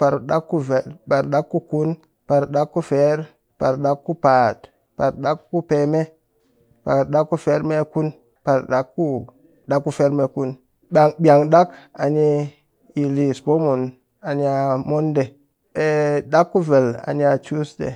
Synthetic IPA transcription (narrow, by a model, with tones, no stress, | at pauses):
pa˨ɾɗa˦kːu˦ve˨lba˨ɾɗa˦kːu˦ku˦n | pa˨ɾɗa˦kːu˦fe˦ɾ | pa˨ɾɗa˦kːu˦pa˨t | pa˨ɾɗa˦kːu˦pe˨me˦ | pa̰˨ɾɗa˦kːu˦fe˦ɾme˦ku˦n | pa˨ɾɗa˦kːu˦ | da˦kːu˦fe˦ɾme˦ku˦n | a˨ŋbʲa˨ŋɗa˦ka˨ni˦ | i˨li˨sbo˦mu˨n | a˨ni˦a˦˨mo˦nde˨ | e˨da˦kːu˦ve˨la̰˨ni˦a˨t͡ʃu˦sdḛ˨